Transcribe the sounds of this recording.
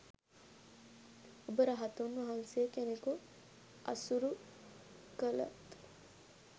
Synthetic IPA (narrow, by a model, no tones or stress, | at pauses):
obəɾəɦat̪unʋɐɦaŋsejəkeneku | ʔɐ̰suɾu | kəlɐ̰t̪